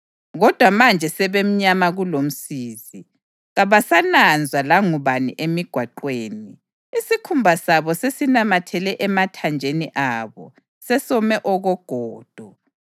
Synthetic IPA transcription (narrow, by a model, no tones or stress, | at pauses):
ɣɔd̥ʱwamand͡ʒʱɛsɛβem̩ɲamaɣulom̩siːzi | ɣaβasanand͡zʱwalaŋuβanḭʔemiɡ̥ʱwaǃweːni | isikʰumbʱasaβɔsesinamatʰɛlɛʔɛmatʰand͡ʒʱeniʔaβɔ̰ | sɛsɔmɛʔɔɣɔɡ̥ʱɔːd̥ʱɔ